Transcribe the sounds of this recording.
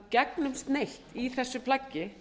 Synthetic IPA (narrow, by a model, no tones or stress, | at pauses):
cɛknʏmst̪nejlt̪iθɛsːʏpʰlacːɪ